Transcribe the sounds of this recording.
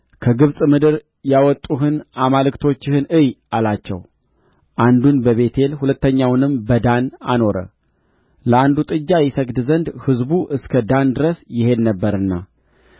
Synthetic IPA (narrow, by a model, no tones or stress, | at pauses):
kʰəɡɨβsʼmɨd̪ɨɾ | jawɔt̪ʼːuɦɨnamalkt̪ʰo̞t͡ʃːɪhɨnɨjalat͡ʃːɛ̰w | ʔand̪unbəβe̞t̪ʰe̞lhulət̪ːəɲːawnɨmbəd̪ana̰no̞ɾə̰ | ləand̪ut̪ʼɨd͡ʒːajɪsəɡd̪zənd̪hɨzbuʔɨskʰəd̪and̪ɨɾəsjɪhe̞d̪nəbːəɾɨnːa̰